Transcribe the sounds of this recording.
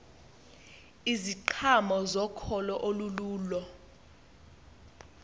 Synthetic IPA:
iziǃʰamɔzɔkʰɔlɔʔoluluːlɔ

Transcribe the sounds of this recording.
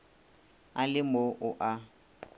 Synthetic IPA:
alɪmoʔʊʔa

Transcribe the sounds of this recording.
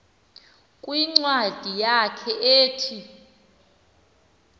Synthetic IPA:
kʼwiŋ͡ǀwad̥ʱijakʰɛʔeːtʰi

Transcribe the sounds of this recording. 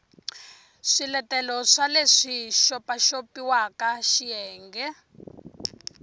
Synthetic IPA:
ʂilɛtɛlɔʂaleʂiʃɔpaʃopiwakaʃijɛːŋɡɛ

